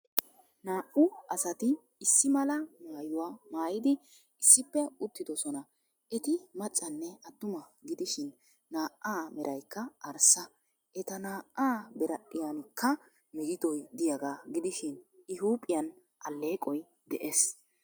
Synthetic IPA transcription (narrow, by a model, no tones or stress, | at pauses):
naːʔʊɐsɐt̪ɪː | sːɪmɐlɐmaːjʊwaːmaːjɪd̪ɪ | ɪsːɪpːɛʊt̪ːɪd̪ɔsɔnɐ | ʔɛt̪ɪmɐt͡sʼːɐnːɛɐt̪ːʊmɐɡɪd̪ɪʃɪnː | aːʔːaːmɛɾʔɐjkːɐʔɐɾsɐ | ʔɛt̪ɐnaːʔaːbɛɾɐɗɪjankʰːɐ | mɛɡɪd̪ɔjd̪ɪjɐɡaːɡɪd̪ɪʃɪnɪɦuːpʼːɪjɐn | ʔɐ̰lːe̞ːkʼɔj | d̪ɛʔes